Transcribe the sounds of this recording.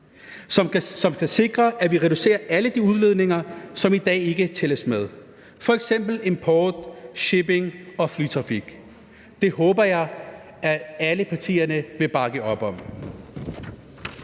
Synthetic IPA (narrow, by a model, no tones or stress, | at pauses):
sɒmsɒ̽mkʰæse̝ɡ̥ʁɐʔæʋiʁɛd̥use̝̰ːɐʔæləd̥iuð̞ˠleðˠne̝ŋɐsɒ̽mid̥ɛ̰ːe̝ɡ̥ət͡sʰeləsmeð̞ˠ | fɒ̽eɡ̥sem̰b̥l̩e̝mpʰɒːd̥ɕeb̥e̝ŋɒ̽flyːt͡sʰʁɑ̈fiɡ̥ | d̥e̝ɦɔ̽ːb̥ɐjɑ̈ɪ | ææləpʰɑ̈t͡sʰḭːɐnəʋe̝b̥ɑ̈ɡ̥əɒ̽b̥ɒ̽m̰